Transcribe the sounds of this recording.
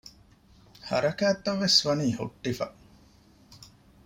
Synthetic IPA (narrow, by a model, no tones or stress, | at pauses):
hɐ̰ɾɐkæːt̪ːɐʋːesʋɐniːho̰ʈːifɐ